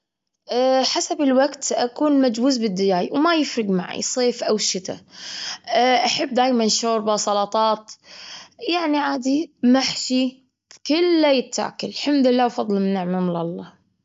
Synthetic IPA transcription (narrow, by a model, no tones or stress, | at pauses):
ʔħasabɪlwaɡt̪ʔakuːnmad͡ʒwuːzbɪd̪ːɪjaːjwmajɪfɾɪɡmaʕḭsˤeːfʔawʃɪt̪a̰ | ʔaħabːd̪aːjmanʃoːɾbasˤɑlɑt̪ˤɑːt̪ | jaʕniʕaːd̪imaħʃi | kɪlːajɪt̪ːa̰ːkʊllħamd̪lɪlːaːwfɑðˤlmɪnːɪʕmamlɑlˤːɑː